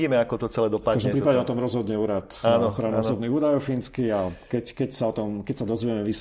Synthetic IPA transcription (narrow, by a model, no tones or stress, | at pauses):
iːmɛakɔt̪ɔt͡sɛlɛːd̪ɔpaaʒd̪ɔmpɾipadɲɛɔt̪ɔmɾɔzɦɔd̪ɲɛuːɾat̪anɔxɾanaɔsɔbniɣuːd̪ajɔʊfinskiakɛckɛcsaɔt̪ɔmkɛcsad̪ɔzʋiɛmɛʋis